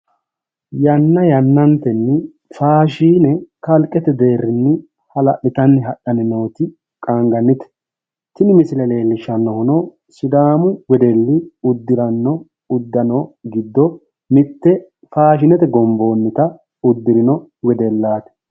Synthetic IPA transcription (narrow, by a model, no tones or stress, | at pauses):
jɐnːɐjɐnːɐnt̪ɛnːɪ | faːʃiːnɛkɐlkʼɛt̪ɛd̪e̞ːrːɪnːɪ | hɐlɐ̰ʔɪt̪ɐnːɪɦɐɗɐnɪno̞ːt̪ɪ | kʼaŋɡɐnːɪt̪ɛ̥ | t̪ɪnɪmɪsɪlɛle̞ːlːɪʃɐnːɔhʊnɔ | sɪd̪aːmʊwɛd̪ɛlːɪʊd̪ːɪɾɐnːɔ | ʊd̪ːɐnɔɡɪd̪ːɔ | mɪt̪ːɛ | faːʃ̬ɪnɛt̪ɛɡɔmbo̞ːnːɪt̪ɐ | ʊd̪ːɪɾɪnɔwɛd̪ɛlːaːt̪ɛ̥